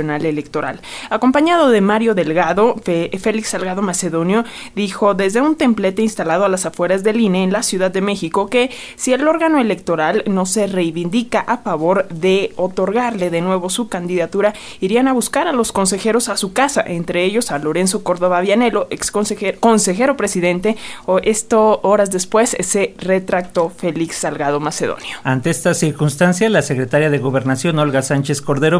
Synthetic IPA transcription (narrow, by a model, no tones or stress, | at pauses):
onale̞lekt̪o̞ɾa̰lako̞mpaɲaðo̞ðe̞maɾjo̞ðe̞lɣaðo̞fe̞liksalɣaðo̞mase̞ðo̞njo̞ | ðixo̞ðe̞zðe̞unt̪e̞mple̞t̪e̞inst̪alað̞oalasafwe̞ɾazðe̞lineːnlasjuðaðːe̞me̞xiko̞ke̞ | sie̞lo̞ɾɣano̞e̞le̞k̚t̪o̞ɾalno̞se̞re̞jβind̪ikaʔafaβo̞ɾðe̞o̞t̪o̞ɾɣaɾle̞ðe̞nwe̞βo̞sukand̪iðat̪uɾa | iɾianaβuskaɾalo̞sko̞ns̬e̞xe̞ɾo̞sasukasaʔe̞nt̪ɾe̞eʝo̞salo̞ɾe̞ns̬o̞ko̞ɾðo̞βaβjane̞lo̞ʔeksoseko̞nse̞xe̞ɾo̞pɾe̞siðe̞nt̪e̞oest̪ooɾazðe̞spwe̞sːe̞re̞t̪ɾak̚t̪o̞fe̞liksːalɣað̞o̞mase̞ðo̰njoant̪eest̪asiɾkunst̪ansjalasekɾe̞t̪aɾjaðeɣo̞βe̞ɾnasjo̞no̞lɣasant͡ʃe̞sko̞ɾðe̞ɾo